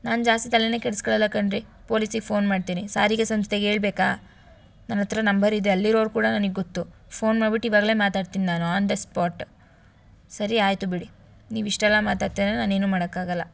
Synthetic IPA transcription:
naːnd͡ʒaːst̪it̪ɐlːene̞ːkɛɽskɐɭɐlːɐkɐɳɖɾi | po̞ːlisiɡepʰo̞ːnmaːɽt̪iːnisa̰ːɾiɡesɐmst̪eɡe̞ːɭbɛːkaː | nɐnɐt̪ɐɾɐnɐmbɐɾid̪eɐlːiɾoːɾukuːɽɐnɐniɡeɡot̪ːu | pʰo̞ːnmaːɖbiʈːuiʋaːɡɐle̞ːmaːt̪aːɽt̪innaːnuand̪espaːɾʈ | sɐɾiaːjt̪ubiɽi | niːʋiʂʈɛlːamaːt̪aːɽt̪inenaːneːnuːmaːɽɐkːaːɡɐlːɐ

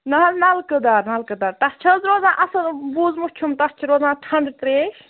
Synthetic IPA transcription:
nɐɦlnɐlkɨd̪aːɾnɐlkɨd̪aɾt̪ɐst͡ʃʰɐzɾoːzãːʔɐsɐnbuzmut͡ʃʰumt̪ɐst͡ʃʰiɾoːzãːʈʰɐɳɖt̪ɾeːʃ

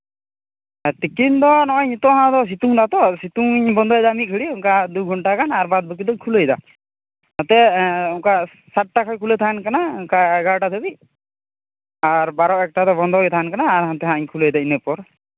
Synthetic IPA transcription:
ɛt̪ikind̪ɔnɔɲt̪ɔɦãd̪ɔs̬it̪uŋd̪at̪ɔsit̪uŋɲbɔnd̪ɔjd̪amikʰiɽiɔŋkad̪uɡʱɔɳʈakanaɾbad̪̚bək̬id̪ɔkʰulɔjd̪a̰ | t̪at̪ɛɔŋka | saʈ̚ʈakʰakʰulet̪ʰankanaɔkaɛɡaʈad̪ʰɔbi | aɾbaɾɔɛk̚ʈat̪ɔbɔnd̪ʱɔt̪ʰaankanaːɾɦant̪ɛɦãɲkʰulɔjd̪ainepɔɾ

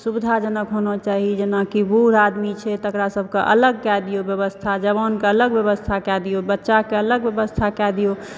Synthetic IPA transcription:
subid̪ʱad͡ʒənəkɦonɔt͡ʃaɦid͡ʒenakibuɾad̪mit͡ʃʰɛt̪əkɾasəbʱkeʔə̰ləɡ̚kad̪ijobjəβəst̪ʰad͡ʒəbankeələɡbjəβəst̪ʰakɛd̪ijobətːʃakeələɡbjəbəst̪ʰakɛd̪ijo

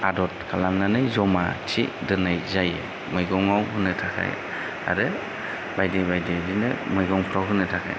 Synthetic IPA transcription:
adɔt̚kʰalamnanɯjzɔmat͡ʃʰidɯnajzajḛ | mɯjɡɔŋawɦɯnɯtʰakʰa̰j | a̰ɾɯ | bajdibajdizinɯmɯjɡɔŋpʰɾawɦɯnɯtʰakʰa̰j

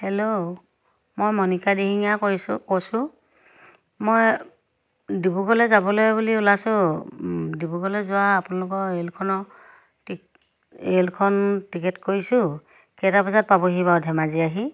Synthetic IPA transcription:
hɛlo | mojmɔnikadiɦiŋakkosʊ̃ | moj | dibuɡɔlɛzabɔlojbuliulasʊ̃ | dibuɡɔlɛzʊwaːpʊnalʊkɔelkʰɔnɔ | elkʰɔntikɛtkoɹisʊ̃ | kɛtapɛzat̚pabɔɦibawdʱɛmaziaɦi

